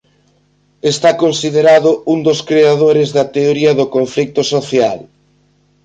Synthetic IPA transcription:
est̪akonsiðeɾaðʊund̪oskɾeaðoɾɪzðɐt̪eoɾiɐðʊkoɱflik̚t̪ʊsoθjal

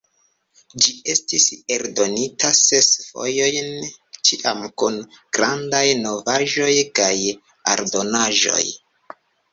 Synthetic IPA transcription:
d͡ʒie̞stiseɾdo̞nitase̞sfo̞̰jo̞jnt͡ʃiʔamkun | ɡ̥ɾandajno̞vaʒo̞jkaj | a̰ɾdo̞naʒo̞̰j

